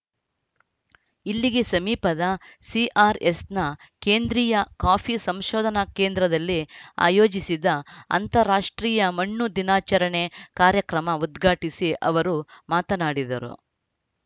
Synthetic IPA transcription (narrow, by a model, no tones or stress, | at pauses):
ilːiɡesɐmiːpɐd̪ɐsiʔaːɾesnɐ | keːnd̪ɾiːjɐkaːpʰisɐmʃɔːd̪ʱɐnɐke̞ːnd̪ɾɐd̪ɐlːia̰ːjo̞ːd͡ʒisid̪ɐɐ̰nt̪ɐɾaːʂʈɾiːjɐmɐɳːud̪inaːt͡ʃɐɾɐɳekaːɾjɐkɾɐmɐud̪ɡʱaːʈisiʔɐ̰ʋɐɾumaːt̪ɐnaːɽid̪ɐ̰ɾṵ